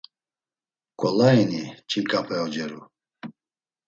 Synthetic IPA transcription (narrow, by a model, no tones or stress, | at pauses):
kʼɔlaɛnit͡ʃʰikʼapʰɛɔd͡ʒɛɾṵ